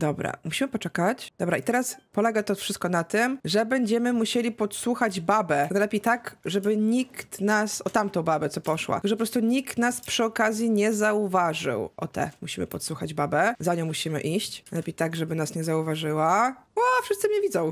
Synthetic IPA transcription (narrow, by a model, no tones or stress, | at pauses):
d̪ɔbɾa̰muɕimɘpɔt͡ʂɛkat͡ɕd̪ɔbɾait̪ɛɾaspɔlɛɡat̪ɔfʂɘst̪kɔnat̪ɘmʐɛbɛɲd͡ʑɛmɘmuɕelʲipɔt̪swuxad͡ʑbabɛnalɛpʲejt̪aɡʐɛbɘɲikt̪nasɔt̪amt̪ɔ̃w̃babɛt̪sɔpɔʂwa̰ʐɛpɔpɾɔst̪uɲikt̪naspʂɘɔkazʲjiɲɛzauvaʐɘ̰wʔɔ̰t̪ɛ̰muɕimɘ̰pɔt̪swuxad͡ʑbabɛzaɲɔ̃w̃muɕimɘ̰ʔiɕt͡ɕnalɛpʲejt̪aɡʐɛbɘnasɲɛzauvaʐɘwaafʂɘst̪sɘmɲɛvʲid̪zɔ̃w̃